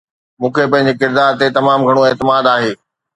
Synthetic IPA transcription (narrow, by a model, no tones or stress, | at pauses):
mũːkʰepɐ̃ɦɪ̃ɲ̆d͡ʑekɪɾd̪aːɾt̪et̪ɐmaːmɡʱɐɽ̃oeːt̪ɪmaːd̪aːɦeː